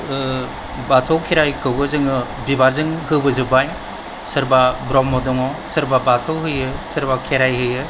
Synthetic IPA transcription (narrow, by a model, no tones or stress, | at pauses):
batʰowkʰeɾajkɯwɡɯzɯŋɯ | bibaɾzɯŋhɯbɯzɯbaj | sɯɾbabɾɔmːɔdɔŋɔsɯɾbabatʰowɦɯjɯsɯɾbakʰeɾajɦɯjɯ